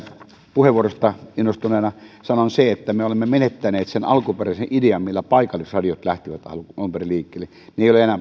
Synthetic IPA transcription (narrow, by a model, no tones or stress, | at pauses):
puheʋˑuorost̪ɑinːost̪uneːnɑsɑnonseet̪ːæmeolemːemenet̪ːæneːt̪senɑlkuperæseʔʔideɑmmilːæpɑˑikɑlːˑisrɑdijot̪læht̪iʋæt̪ɑ̰lɑumperiliːkːeːlːe | neˑijoleenæː